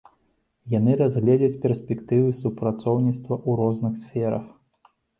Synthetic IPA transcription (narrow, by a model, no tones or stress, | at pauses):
janɨɾazɣlʲɛd͡zʲɐt͡sʲpʲɛrsʲpʲɛkt̪ɨvɨsupɾat̪sɔwnʲit̪st̪vɐʔuɾɔznɨxsʲfʲɛɾɐ̰x